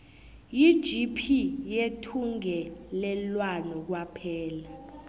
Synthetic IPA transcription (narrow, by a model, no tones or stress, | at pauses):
jid̥ʒ̥ipʰijetʰuŋɛlɛlwanɔk̬wapʰɛːla